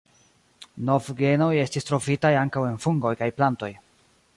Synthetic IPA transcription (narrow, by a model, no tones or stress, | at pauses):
no̞vɡe̞no̞je̞stistɾo̞fitajaŋkawe̞nfuŋɡo̞jkajplanto̞j